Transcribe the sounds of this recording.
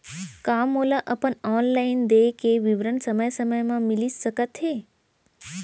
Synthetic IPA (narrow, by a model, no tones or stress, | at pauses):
kamolaʔəpəɳɔnlaind̪ekeʋiʋɾəɳsəməjsəməjmãmiliʃəkət̪ɦe